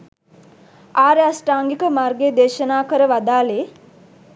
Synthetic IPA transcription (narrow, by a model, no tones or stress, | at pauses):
aːɾeasʈaːŋɡikəmarɡeːd̪eːʃənaːkəɾəʋad̪aːleː